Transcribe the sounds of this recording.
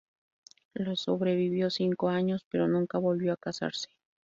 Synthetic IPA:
losoβɾe̞βiβjo̞siŋko̞aɲo̞spe̞ɾo̞nũŋkaβo̞lβjoakasa̰ɾse̥

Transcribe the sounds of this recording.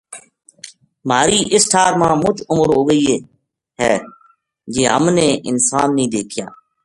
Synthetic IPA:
maːɾiːʔɪsʈʰaːɾmãːmʊt͡ʃʊməɾɦoːɡəiːeː | ɦɛː | d͡ʒeːɦə̰mnẽːʔɪnsaːnːĩːd̪eːkʰɪja̰ː

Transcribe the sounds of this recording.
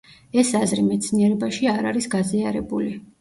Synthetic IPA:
ɛsazɾimɛt̪sʰniɛɾɛbaʃiaɾaɾisɡaziaɾɛbuli

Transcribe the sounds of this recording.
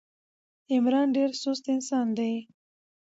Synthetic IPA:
ɪmɾɑːnɖeɾsost̪ɪnsɑːnd̪e

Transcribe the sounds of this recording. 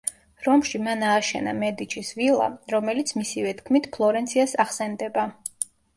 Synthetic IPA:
ɾɔmʃimanaːʃɛ̰na̰mɛd̪it͡ʃʰisvilˠa̰ɾɔmɛlit̪sʰmisivɛt̪ʰkʰmit̪ʰpʰlˠɔɾɛnt̪sʰiasaχsɛnd̪ɛba

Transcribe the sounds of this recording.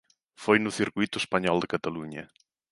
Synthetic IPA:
fojnʊθiɾkujt̪ʊespɐɲɔld̪ɪkɐt̪ɐluɲɐ

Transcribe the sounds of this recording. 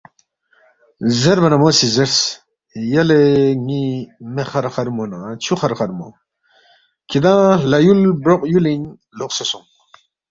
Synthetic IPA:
zeɾbɐnɐmoːsizeɾs | jɐleŋimeχɐɾχɐɾmonãt͡ɕʰuxɐɾχɐɾmo̰ | kid̪ãːlɐjulbɾoqʼjulin | loqsesum

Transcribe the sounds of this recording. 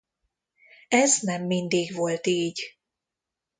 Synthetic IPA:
ɛznɛmːind̪iːɡvo̞lt̪iːɟ

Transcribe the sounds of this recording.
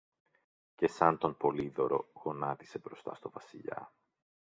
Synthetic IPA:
ce̞sɐnt̪o̞mpo̞liðo̞ɾo̞̰ɣo̞nɐt̪i̥se̞bɾo̞st̪ɐ̰st̪o̞vɐsiʎɐ̰

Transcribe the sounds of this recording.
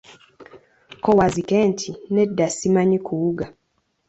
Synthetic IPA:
kɔwazikɛntʰinɛdasimaɲikʰuuɡa

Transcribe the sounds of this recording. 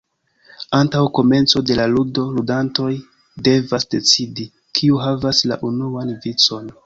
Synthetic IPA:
antawko̞me̞nt͡so̞de̞laludo̞ludanto̞j | de̞vasde̞t͡sidi | kʰiuɦavasla̰ʔunuanvit͡so̞n

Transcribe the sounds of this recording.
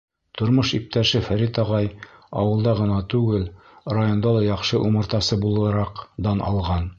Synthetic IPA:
t̪ŏɾmɤʃip̚t̪æʃɘfæɾit̪ɒʁɑjɒ̰wɤ̆lˠd̪ɑʁɤ̆nɑt̪ʉɡɘl | rajo̞nd̪ɑlˠɑjɒqʃɤʔumɤ̆ɾt̪ɑsɤbulˠɤ̆ɾɑqd̪ɑnɒ̰lˠʁɑn

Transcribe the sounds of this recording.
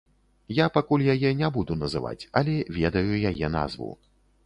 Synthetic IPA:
japakulʲjajɛnʲɛbud̪unɐzɨva̰t͡sʲɐlʲɛvʲɛd̪ɐjujajɛna̰zvṵ

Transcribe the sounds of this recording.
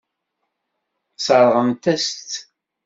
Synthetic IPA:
səɾˤʁəmt̪æst̪

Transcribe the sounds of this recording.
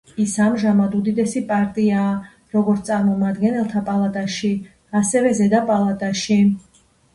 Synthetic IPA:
isamʒamad̪ud̪id̪ɛsipʼaɾt̪ʼiaː | ɾɔɡɔɾt̪ʼaɾmɔmad̪ɡɛnɛlˠt̪ʰapʼalˠat̪ʼaʃi | asɛvɛzɛd̪apʼalˠat̪ʼaʃi

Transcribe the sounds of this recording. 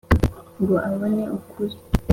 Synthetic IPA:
ŋɡoʔaβoneʔukʰuɾi

